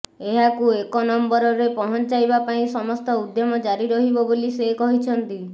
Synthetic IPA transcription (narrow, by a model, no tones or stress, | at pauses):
eɦakuekonɔmbɔɾɔɾepɔɦɔnt͡ʃajbapaĩsɔmɔst̪ɔud̪jɔmɔd͡ʒaɾiɾɔɦibɔbolisekɔɦit͡ʃʰɔnt̪i